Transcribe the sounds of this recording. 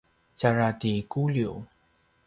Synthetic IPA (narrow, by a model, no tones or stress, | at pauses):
t͡ɕaɹat̪ikuljo